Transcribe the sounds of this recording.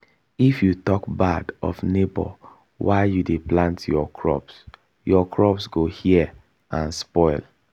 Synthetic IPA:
ifjutɔkbadɔ̰fnebɔ̰ | waɪjudeplãntʰjɔkʰɹɔ̰ps | jɔkɹɔpsɡohiɛ | ãnspɔɪl

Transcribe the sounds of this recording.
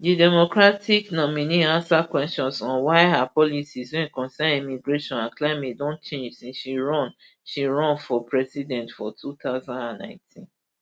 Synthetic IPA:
didɛmokɹatiknɔminiãnsakwɛstɔ̃nsɔ̃nwaɪɦapɔlisiswɛ̃nkɔ̃nsɛ̃nimiɡɹeʃɔ̃nãnklaɪmet̚dɔ̃nt͡ʃẽnd͡ʒsĩʃiɹɔ̃n | ʃiɹɔ̃nfɔpʰɹɛsidɛ̃ntfɔtʰut̪aʊzãndãnːã̰ɪ̃tʰĩn

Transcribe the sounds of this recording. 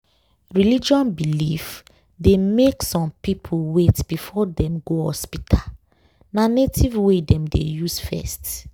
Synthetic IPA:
ɹilid͡ʒɔ̃nbilif | demeksɔ̃mpipʰuwetb̥ifɔdɛ̃mɡohɔ̰spitʰal | nanetʰivwedɛ̃mdḛjusfɛ̰st

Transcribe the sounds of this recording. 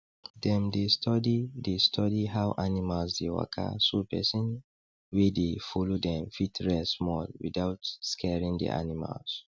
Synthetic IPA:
dɛ̃mdestʰɔdidestʰɔdiɦawʔanimalsdewa̰kʰa̰supɛ̰sɔ̃n | wedefolodɛ̃mfitɹɛsmɔlwḭdaʊtskʰɛɹĩŋdɛ̰ʔa̰nima̰ls

